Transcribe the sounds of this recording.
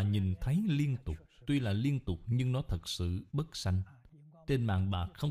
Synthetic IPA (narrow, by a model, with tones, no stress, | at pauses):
ɲi˨˩nt̪ʰə˨˦jli˧ənt̪ʊ˨˩k͡p̚t̪wi˧laː˨˩li˧ənt̪ʊ˨˩k͡p̚ɲɨ˧ŋnɔ˨˦t̪ʰə˨˩t̚sɨ̰˧˨ɓə˦˥t̚sa˧jŋ̟ | t͡ɕe˧nma̰ː˧˨ŋɓaː˨˩k̚xə˧wŋ͡m